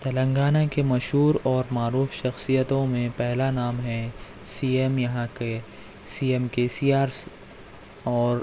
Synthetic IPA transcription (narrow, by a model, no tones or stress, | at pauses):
t̪ɐlə̃ŋɡaːnakemɐʃɦuːɾɔːɾmaːɾuːfʃɐxsijət̪õmẽpɛɦlanaːmɦɛ̃ | siːemjɐɦãke | siːemkeːsiːaːɾs | ɔːɾ